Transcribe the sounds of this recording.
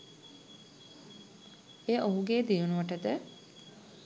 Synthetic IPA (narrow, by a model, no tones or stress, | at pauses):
eːəʔoɦuɡeːd̪ijunuʋəʈəd̪ə